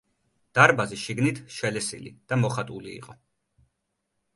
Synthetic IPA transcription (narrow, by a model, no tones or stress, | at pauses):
d̪̥aɾbaziʃiɡnit̪ʰʃɛlɛsḭlḭd̪̥amɔχat̪ʼulḭːqʼɔ